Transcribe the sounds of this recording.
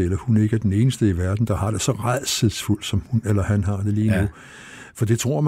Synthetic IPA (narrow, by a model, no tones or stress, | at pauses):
elɐhune̝ɡ̥əæd̥ene̝ːnəsd̥əiʋæɐd̥n̩d̥ɑ̈hɑ̈d̥e̝sɒ̽ʁað̰ˠsəðˠsful̰d̥sɒ̽mhunelɐhænɦɑ̈d̥e̝liːnu | fɒ̽d̥e̝t͡sʰʁo̝ɐ̰m